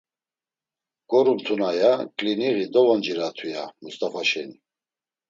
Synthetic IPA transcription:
ɡ̥ɔɾumt̪ʰunajakʼliniɣid̪ɔvɔnd͡ʒiɾat̪ʰwujamust̪ʼafaʃɛni

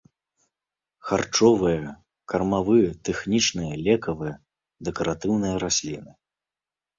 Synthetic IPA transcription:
xart͡ʂɔvɨjɐ | kɐrmavɨjɐt̪ɛxnʲit͡ʂnɨjɐlʲɛkɐvɨjɐ | d̪ɛkɐɾat̪ɨwnɨjɐɾasʲlʲinɨ

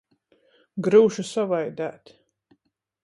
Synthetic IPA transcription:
ɡɾuːʃusavajd̪æ̰ːt̪

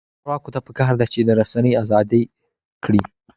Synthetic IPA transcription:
ɾwɑkot̪apəkɑɾd̪at͡ʃed̪əɾasanəjazɑd̪əj | kɽi

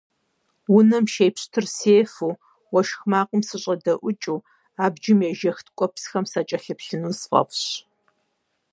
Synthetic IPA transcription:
wʊnɐmʃejpɕtʰɨrseːfuː | wɔʃxmaːqʷʊmsɨɕʼɐdɐʔʷʊt͡ʃʼuː | aːbd͡ʒɪmjɛʒɐxtkʷʼɔpsxɐmsɐt͡ʃʼɐɬɨpɬɨnuːsfʼɐ̰pɕ

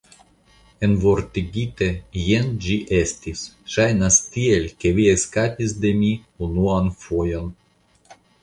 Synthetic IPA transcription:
envort̪iɡʲit̪ejend͡ʒiʔesʲt̪ʲis | ʃɑjnast̪ʲielʲkʲeʋʲiesʲkat̪ʲizd̪emʲi | unuɑnfojon

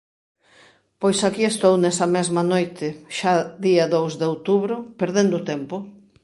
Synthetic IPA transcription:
pojsakiest̪ownɛsɐmɛzmɐnojt̪ɪʃaðiaðowzðeowt̪uβɾʊpeɾðend̪ʊt̪ɛmpʊ

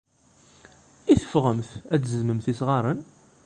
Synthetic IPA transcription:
iθə̥fʁəmθæt͡szzməmθisʁɑɾˤən

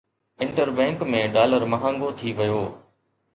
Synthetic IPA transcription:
ɪ̃ɳʈəɾbɛ̃ːŋkmẽɖaːləɾmɐɦãːŋɡot̪ʰiʋɪjoː

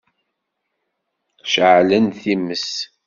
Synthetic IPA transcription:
ʃʕlənθiməs

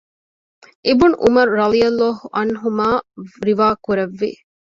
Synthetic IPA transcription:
ʔebunʔumɐɾuɾɐlijɐlːɔːɦuʔɐnɦumaːɾiʋaːkuɾɐʋːḭ

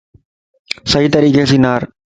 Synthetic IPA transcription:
sɐɦiːt̪əɾiːkesiːnaːɾ

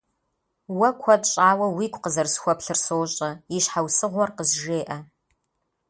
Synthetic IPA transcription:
wɐkʷʰɔtʼɕʼaːwɐwiːkʷʼqəzɐrsxʷɔpɬɨrsoːɕʼɐiʃħawsɨʁʷɔrqəzʒeːʔɐ

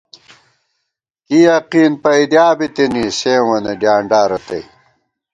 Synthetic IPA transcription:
ijɐqiːnpɐjd̪jaːbit̪inisẽːwɐneɖjaːɳɖaːɾɐt̪ɐ̰j

